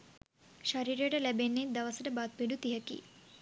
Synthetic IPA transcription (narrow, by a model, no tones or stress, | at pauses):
ʃaɾiːɾəjəʈəlæbenːed̪ɐʋəsəʈəbat̪̚piɖut̪iɦəkḭː